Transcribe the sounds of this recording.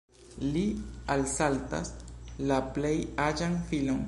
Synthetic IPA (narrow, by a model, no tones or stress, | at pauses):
lialsalt̪a̰slaplejad͡ʒaŋfilon